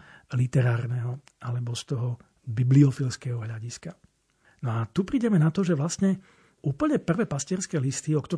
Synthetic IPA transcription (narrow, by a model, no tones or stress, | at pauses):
lit̪ɛɾaːɾnɛɦɔ | alɛbɔst̪ɔɦɔ | bibliɔfilskɛːɦɔɦʎaɟiska | nɔat̪upɾiːɟɛmɛnat̪ɔʒɛʋlasɲɛ | uːpl̩ɲɛpr̩ʋɛːpascɪɛɾskɛːlist̪iɔkt̪ɔ